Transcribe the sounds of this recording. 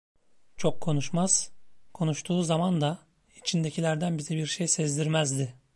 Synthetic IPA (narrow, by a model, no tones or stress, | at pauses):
t͡ʃʰo̞kʰːo̞nuʃmaz̥kʰo̞nuʃt̪ʰuːzamand̪a | it͡ʃʰind̪e̞cʰilʲæɾd̪ænbizɛbiɾʃejsɛzd̪iɾmæzd̪ɪ